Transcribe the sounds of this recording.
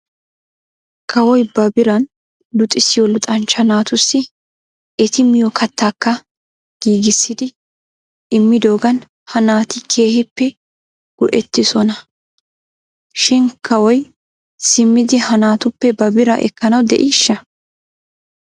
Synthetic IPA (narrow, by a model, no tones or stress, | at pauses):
kʰɐwɔjbɐbɪɾɐn | lʊt̪ʼɪsɪjɔlʊt̪ʼɐnt͡ʃːɐnaːt̪ʊsːɪ | ʔɛt̪ɪmɪjɔkʰɐt̪ːaːkːɐ | ɡ̥iːɡɪsːɪd̪ɪ | ʔɪmːɪd̪o̞ːɡɐn | hɐnaːt̪ɪkʰe̞ːhɪpːɛ | ɡ̥ʊʔɛt̪ːɪsɔnɐ | ʃɪnkʰɐwɔj | sɪmːɪd̪ɪhɐnaːt̪ʊpːɛbɐbɪɾɐʔɛ̰kːɐnɐwd̪ɛ̰ʔiːʃːɐ